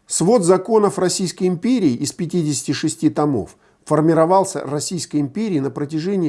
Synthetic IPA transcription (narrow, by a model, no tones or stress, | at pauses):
svo̞d̪zɐko̞nəfrɐsʲijskəjɪmpʲeɾʲɪːʔɪspʲɪtʲidʲɪsʲɪ̥tʲɪʂɨsʲtʲit̪ɐmo̰fː | ərmʲɪɾɐvɑlˠsʲə̰rɐsʲijskəjɪmpʲeɾʲɪːnəpɾətʲɪʐɛnʲɪjː